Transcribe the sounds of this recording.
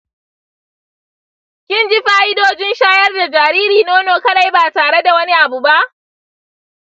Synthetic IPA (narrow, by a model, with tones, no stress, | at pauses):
kʲɪ˦nd͡ʒɪ˦ɸaː˦ʔɪ˦doː˨d͡ʒɪ˦nʃaː˦jɐ˦rda˨d͡ʒaː˨ɾiː˦ɾiː˨noː˦noː˨kɐ˦ɗa˨jbaː˨taː˨ɽe˦da˨wɐ˦ni˦ʔa˨bu˨ba˦ʔ